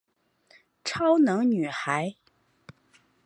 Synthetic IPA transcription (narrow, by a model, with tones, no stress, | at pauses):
ʈ͡ʂʰɑ˥ʊnɤ˧˥ŋny˨˩xa˧˥ɪ